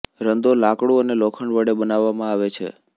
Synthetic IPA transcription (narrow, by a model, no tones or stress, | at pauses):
ɾənd̪olakɽuənelokʰəɳʋəɽebənaʋːamãaʋet͡ʃʰḛ